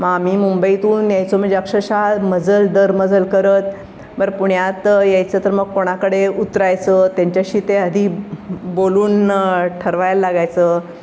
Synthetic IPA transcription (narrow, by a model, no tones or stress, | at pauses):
maamimumbəit̪uːnjajt͡som̤əɳd͡zeakʂəɕalməd͡zəld̪əɾməd͡zəlkəɾət̪ | bəɾpuɳjat̪jajt͡səːt̪əɾməɡ̚koɽ̃akəɽeut̪ɾajt͡sət̪jaɲt͡ɕjaɕiːt̪ead̪ʱiboluːnʈʰəɾʋajllːaɡajt͡sə